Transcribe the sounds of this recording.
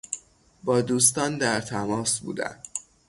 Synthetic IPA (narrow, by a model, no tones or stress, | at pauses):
bɒːd̪uːs̬t̪ɒːnd̪æɾt̪ʰæmɒːsbṵːd̪æ̰n